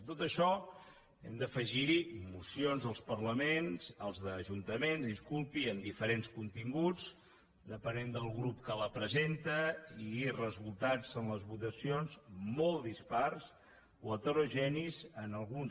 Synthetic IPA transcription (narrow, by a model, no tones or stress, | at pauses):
t̪ot̪əʃɔ | ɛmd̪əfəʒimusionzðəlˠspərləmenzəlˠzðəʒunt̪əmenzðiskulˠpiənd̪ifəɾenskunt̪iŋɡut͡s | d̪əpənend̪əlˠɣɾupkələpɾəzent̪əirəzulˠt̪ad͡zənləzβut̪əsionzmolˠd̪ispars | oət̪əɾoʒɛnizənəlˠɣun